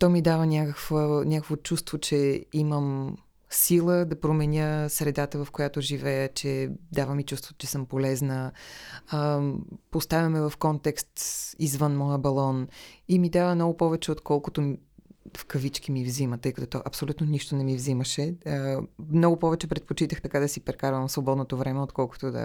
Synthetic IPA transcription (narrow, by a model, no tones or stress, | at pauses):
t̪ɔmid̪avənʲakəkvənʲakəkvot͡ʃust̪vot͡ʃɛiməm | silˠəd̪ɐpɾomɛnʲəsɾɛd̪at̪əvɐfkojat̪oʒivɛjət͡ʃɛd̪avəmit͡ʃust̪vo̥t̪t͡ʃɛsɤmpolɛznə | post̪avʲɐmɛvɐfkɔnt̪ɛkst̪izvənmɔjəbɐlˠɔnimid̪avəmnɔɡʊpɔvɛt͡ʃɛot̪kɔlˠkʊt̪om | fkɐvit͡ʃk̟imivzimət̪ɤjkɐt̪ɔt̪ɔʔɐpsolʲut̪noniʃt̪onɛmivziməʃɛ | mnɔɡʊpɔvɛt͡ʃɛpɾɛt̪̚pot͡ʃit̪əxt̪ɐkad̪ɐsipɾɛkaɾvəmsvobɔd̪not̪ovɾɛmɛot̪kɔlˠko̥t̪od̪ə̰